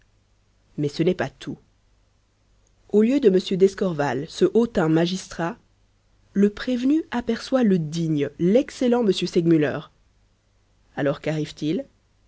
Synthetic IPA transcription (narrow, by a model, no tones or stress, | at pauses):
mɛsənɛpat̪ʰu | oljød̪əməsjød̪ɛskɔʁvalsəʔot̪ɛ̃maʒist̪χa | ləpχevnyapɛʁswaləd̪iɲlɛkselɑ̃məsjøsɛɡmylœ̰ːʁ | alɔʁkaʁivt̪il